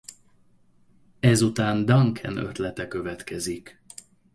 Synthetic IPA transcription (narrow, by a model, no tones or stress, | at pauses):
ɛzut̪aːnd̪ɒŋkʰɛ̰nø̞̰t̪lɛt̪ɛkø̞vɛt̪kɛzik